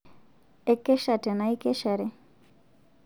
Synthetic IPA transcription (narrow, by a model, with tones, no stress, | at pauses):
ɛ˦kɛ˦ʃa˨tɛ˨na˨i˦kɛ˦ʃa˨ɾɛ˦